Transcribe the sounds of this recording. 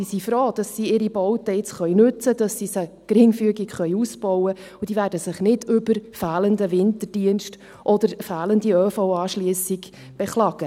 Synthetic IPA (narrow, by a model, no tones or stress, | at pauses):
isifɾoːd̥ɑsːiɪɾibɔwt̪əɪt͡sχœʏnʉt͡səd̥ɑsːisə | kɾɪŋfyəɡikχœʏusb̥ɔwə | ud̥̪iːvæːɾdəsɪχnɪdʏbəɾfæːləndəvɪntərd̥iənʃt | ʔɔd̪əɾfæːləndiøːfoʊɑːʃliəsɪɡ | b̥ɛχlɑɡə